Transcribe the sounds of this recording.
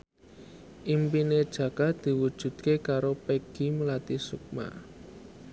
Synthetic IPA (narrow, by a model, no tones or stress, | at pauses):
ʔimpined̥ʒ̥ä̤ɡ̥a̤d̪̥i̤wud̥ʒ̥ṳd̪̚kekaɾopeɡ̥i̤məlat̪isuk̚ma̰